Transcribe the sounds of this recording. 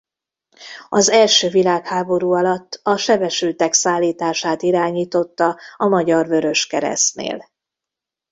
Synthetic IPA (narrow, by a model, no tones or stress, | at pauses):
ɒzɛlʃøːvilaːkhaːbo̞ɾuːɒlɒt̪ːɒʃɛbɛʃylt̪ɛksaːlːiːt̪aːʃaːt̪iɾaːɲiːt̪o̞t̪ːɒɒmɒɟɒrvø̞ɾø̞ʃkɛɾɛ̰snḛːl